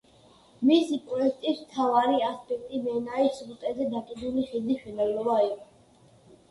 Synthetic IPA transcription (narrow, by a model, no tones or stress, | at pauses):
misipʼɾɔɛk̚t̪ʼismt̪ʰavaɾiaspʼɛk̚ʰt̪ʼimɛnaisɾut̪ʼɛzɛd̪akʼid̪uliχid̪iʃinalɔbaiqʼɔ